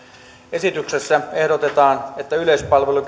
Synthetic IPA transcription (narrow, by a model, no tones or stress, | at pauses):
esit̪yksesːæehdot̪et̪ɑːnet̪ːæylespɑlʋeluk